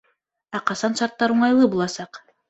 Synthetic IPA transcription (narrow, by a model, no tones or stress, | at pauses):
ɑqɑsɑnʃɑɾt̪ːɑɾuɴɑjlˠɯbulˠɑsɑq